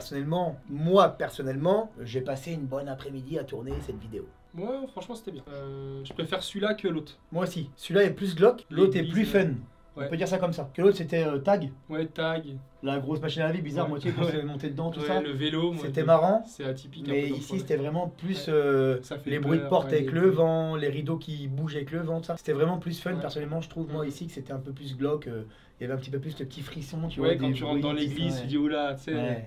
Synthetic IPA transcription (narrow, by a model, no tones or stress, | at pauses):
pʁsɔnɛlmɑ̃mwapɛʁsɔnɛlmɑ̃ʒepaseynbɔnapχɛmid̪iat̪uʁnesɛt̪vid̪eo̰ | mwafχɑ̃ʃmɑ̃se̥t̪ɛbjɛ̃øʒəpχefɛʁsɥilakəlot̪χ | mwaosisylaɛplys̬ɡlɔklot̪χɛplyfɛn | ɔ̃pød̪iʁsakɔmsakəlot̪χset̪ɛøt̪aɡwɛt̪aɡlaɡʁosmaʃind̪əlavibizaʁmwat̪jekəuzavɛmɔ̃t̪ed̪əd̪ɑ̃t̪ualəveloset̪ɛmaʁɑ̃sɛat̪ipikmɛisiset̪ɛvʁɛmɑ̃plysøsaflebʁɥid̪əpɔʁt̪avɛkləvɑ̃leʁid̪okʲibuʒɛvɛkləvɑ̃t̪u̥sase̥t̪ɛvʁɛmɑ̃plysfœnpɛʁsɔnɛlmɑ̃ʒə̥t̪χuvmwaisikə̥set̪ɛɛ̃pøplys̬ɡlɔkø | ljavɛɛ̃pət̪ipøplysd̪əpə̥t̪ifχisɔ̃t̪yvwad̪ẽid̪ɑ̃leɡlizt̪yd̪iulasɛwɛ